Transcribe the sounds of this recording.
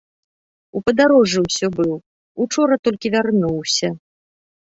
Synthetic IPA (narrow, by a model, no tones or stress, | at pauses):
upɐd̪aɾɔʐɨwsʲɔbɨw | ut͡ʂɔɾɐt̪ɔlʲkʲivʲarnuwsʲɐ